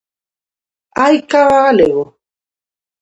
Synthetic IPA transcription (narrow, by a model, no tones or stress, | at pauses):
aikaɣalɛɣɔ